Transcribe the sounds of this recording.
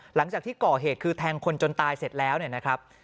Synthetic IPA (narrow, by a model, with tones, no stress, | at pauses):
la˩˦ŋt͡ɕaː˨˩k̚t̪iː˥˩kɔː˨˩ɦeː˨˩t̪̚kʰɯː˧t̪ʰɛː˧ŋkʰo˧nt͡ɕo˧nt̪aː˧jse˨˩t̪̚lɛː˦˥wni˥˩na˦˥kʰɾa˦˥p̚